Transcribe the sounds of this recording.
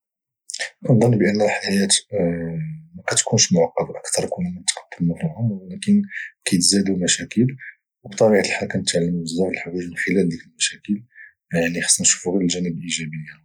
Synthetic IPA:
ʔnd̪ˤɑnːbʔənːəlħaæjæt̪ | mækæt̪kunʃmʊʕɑqːɑbʔəkt̪ɑɾˤkunumənət̪qɑ̥d̪̥ːəmæfihʊmwælækənkæjət̪zæd̪umæʃækəl | wbt̪ˤɑbiʕt̪əlħalkænət̪ʕlːəmubəzːæfəlħawæʒmənxəlæld̪jækəlmæʃækəl | jaʕnixɑ̥sˤːænʃu̥fuɣiləlʒænəbəlʔiʒæbəjːæ

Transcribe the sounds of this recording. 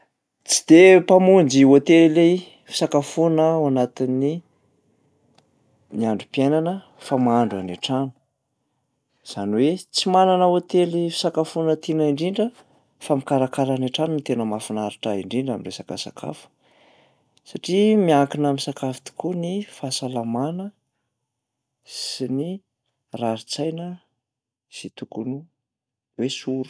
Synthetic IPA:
t͡si̥d̪̥epamund͡ʒiot̪elile | fi̥sakafunəwanat̪ini | miaɳɖ͡ʐupienanə | famaaɳɖ͡ʐa̰neʈ͡ʂanu̥ | z̥anwet͡simananəot̪elifi̥sakafunət̪enaiɳɖ͡ʐiɳɖ͡ʐə | famikaɾakalaneʈ͡ʂanint̪enəmafinaɾiʈ͡ʂaiɳɖ͡ʐiɳɖ͡ʐaminresakəsa̰kʰa̰fu̥ | saʈ͡ʂimiaŋkinamisakafi̥t̪u̥kunifasalamanə | ssini | raɾit͡sajnə | z̥it̪ukunu | wesuɾu̥

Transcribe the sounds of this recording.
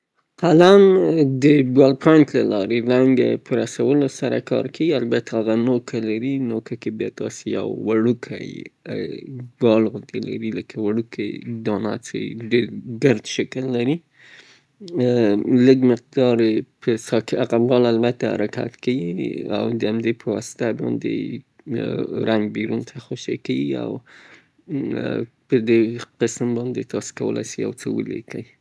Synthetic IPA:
qʰalamd̪əbalpʰɑnt̪lalɑɾelaŋɡa̰pʰəɾasawəlosaɾa̰kʰɑ̰ɾkʰawialbat̪ʰaaɣanokʰalaɾinokakebjɑt̪ɑ̰seja̰wːaɽukʰa̰j | ɡɑlɣʊnd̪ela̰ɾiləkʰawaɽukʰajd̪ɑna̰t͡sḛɖeɾɡəɾd̪ʃəkəlːaɾi | ləɡmɪq̚d̪ɑɾepʰəsɑkaqabbɑlalbat̪aha̰ɾakʰa̰t̪kawia̰wd̪əamd̪epʰəwɔsɪ̥t̪abɑ̰nd̪ḛ | ɾaŋɡbeɾunt̪ʰaxoʃḛkawia̰w | pəd̪eqəsmbɑnd̪et̪ɑse̥kawə̰la̰jsija̰wt͡səwə̰lḛkaji

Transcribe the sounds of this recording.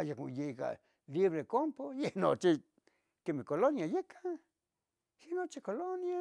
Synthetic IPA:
ajako̰jeka̰ | liβɾekompojeno̰t͡ʃi | kemekolonjajekʰa | jenot͡ʃikolonja

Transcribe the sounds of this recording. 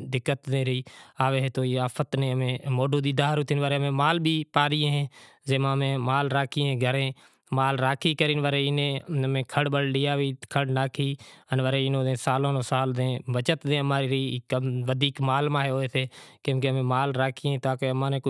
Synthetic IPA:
d̪ɪkːət̪dẽːɾiːaːʋeːɦet̪oːiːaːpʰət̪nẽːəmẽːmoːɖoːd̪iːd̪aːɦɾʊt̪iːnʋəːɾeːəmẽːmaːlɓʱiːpaːɾɪjẽːɦẽː | zeːmãːmẽːmaːlɾaːkʰiẽːɡʱəɾẽː | maːlɾaːkʰiːkəɾiːnʋəɾeːɪnẽːəmẽːkʰəɽɓəɽliːaːʋiːkʰəɽnaːkʰiːənʋəɾeːɪnõːd̪ẽːsaːlõːnõːsaːld̪ẽːʋət͡ʃət̪dẽːəmãːɾiːɾiːkʋəd̪ʱiːkmaːlmaːɦeːɦoːeːseːkẽːkeəmẽːmaːlɾaːkʰiẽːt̪aːkeːəmãːneː

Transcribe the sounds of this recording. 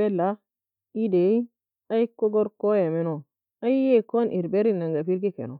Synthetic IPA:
ela | idei | aikːoɡoɾkojameno | aijekonʔiɾbeɾinaŋɡapiɾkikḛno

